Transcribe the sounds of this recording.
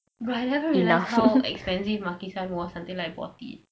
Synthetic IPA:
ɹajtlakəɹilahhaɛ̰kspɛ̃nsifmakisãnwɔsãmt̪ĩŋlajk̚bɔ̰tḭ

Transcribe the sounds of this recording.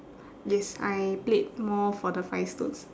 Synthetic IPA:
jɛsajplet̚mɔfɔdəfajstṵ̃s

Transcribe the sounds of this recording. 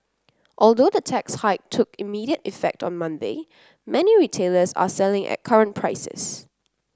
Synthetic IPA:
ʔɔlˠdoːðətʰɛkshaɪk̚tʰːʊkimiːdiətifɛ̰k̚tɔ̃nmãndeɪ | mɛniɹitʰeːləsa̰sɛlɪ̃ŋʔɛ̰t̚kʰaɹə̃npʰɹaɪsɪ̰s

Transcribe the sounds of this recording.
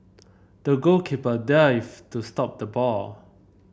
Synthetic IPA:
d̥əɡokʰipədaɪftustɔp̚d̪əbɔ

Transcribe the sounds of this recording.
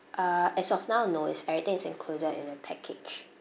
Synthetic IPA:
ʔaɛsɔfnaʊnosɛvɹit̪ɪ̃ŋɪsɪ̃ŋkʰludədɪ̰̃nəpʰɛkʰet͡ʃ

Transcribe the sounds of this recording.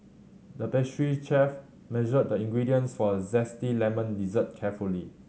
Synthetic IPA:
dəpɛʃɹit͡ʃɛf | mɛʒəd̚dəĩŋɡɹidiə̃nsfɔzɛstilɛmə̃ndizət̚kʰɛfuli

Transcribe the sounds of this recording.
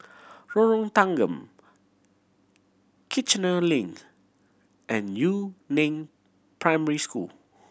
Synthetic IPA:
ɹɔɹɔ̃ŋt̪ãŋɡə̃m | kʰit͡ʃnəlĩŋ | ʔɛ̃nːjunẽm | pɹãjmɛɹiskṵl

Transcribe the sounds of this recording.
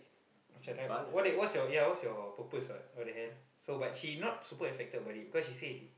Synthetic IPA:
at͡ʃãlawɔɛʔ̚wɔsjɔjawɔtsjɔpəpəsbat̚ɔdəɦɛ̃n | sobat̚ʃinɔt̚supəɛ̃nfɛk̚təbadibikɔsʃisedi

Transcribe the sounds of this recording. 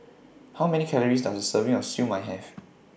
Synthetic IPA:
hawmɛnikʰɛləɹisdasdəsəvĩŋɔsjũmːajɦɛf

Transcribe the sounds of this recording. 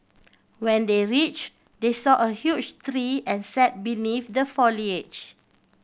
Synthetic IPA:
wɛ̃ndeɹit͡ʃ | desɔʔəhjut͡ʃt̪ɹiɛ̃nsɛt̚binifdəfɔliet͡ʃ

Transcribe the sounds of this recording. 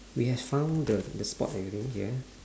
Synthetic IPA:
wihɛffãʊ̃ndədəspɔ̰tɛɹĩŋhiə

